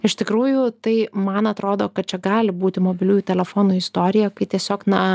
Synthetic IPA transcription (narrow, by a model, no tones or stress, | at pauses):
ɪʃt̪ʲɪkɾuːjʊt̪ɐɪmɐnɐt̪ɾoːd̪oːkɐt̪̚t͡ʃʲɛɡɑːlʲɪbuːt̪ʲɪmoːbʲɪlʲuːjuːt̪ʲɛlʲɛfoːnuːɪst̪oːɾʲɪjɛkɐɪt̪ʲiɛsʲoːknɐ